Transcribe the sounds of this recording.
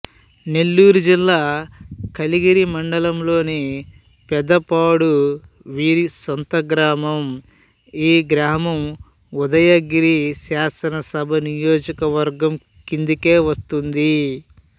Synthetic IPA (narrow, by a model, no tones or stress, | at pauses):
ne̞lːuːɾud͡ʒilːaːkɐliɡiɾimɐɳɖɐlɐmlo̞ːneː | pɛd̪ɐpaːɽu | ʋiːɾisont̪ɐɡɾaːmɐm | iːɡɾaːmɐm | ud̪ɐjɐɡiɾisaːsɐnɐsɐbʱɐnijo̞ːd͡ʒɐkɐʋɐɾɡɐm | kind̪uke̞ːʋɐst̪und̪i